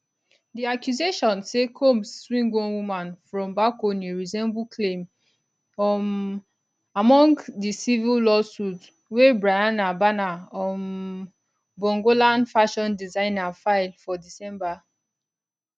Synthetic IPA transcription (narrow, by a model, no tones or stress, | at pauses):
diakjuzeʃɔ̃nsekʰomsswĩŋɡõnwumãnfɹɔ̃mbakoniɹizɛ̃mbukʰlẽm | ɔ | amɔ̃ŋɡdisivillɔsut | webɹajanabanaɔ̃n | bɔ̃ŋɡolãnfaʃɔ̃ndizãɪ̃nafaɪlfɔdisɛ̃mba